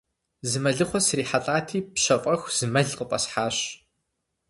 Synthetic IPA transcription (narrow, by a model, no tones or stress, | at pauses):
zɨmɐɮɨχʷɔsriːħatʼaːtʰiːpɕɐfʼɐxʷz̥ɨmɐɮqəpʼɐsħaːɕ